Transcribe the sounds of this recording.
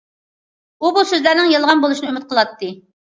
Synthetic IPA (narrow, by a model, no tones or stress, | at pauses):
ubusøzlæɾnɪŋjelˠʁɑnbolˠuʃinɨymɪt̪̚qʰəlˠɑt̪ːɨ